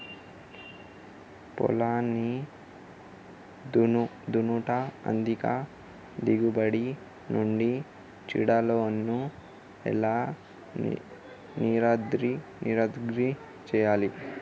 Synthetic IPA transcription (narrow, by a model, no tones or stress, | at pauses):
pɔ̰laːni | d̪unuʈaɐ̰nd̪ika | d̪iɡubɐɽi | nuɳɖi | t͡ʃḭɽaloːɐnːu | ɛ̰laː | niɾaːd̪ɾiniːɾaːd̪ɡɾi | t͡ʃɛːjaːli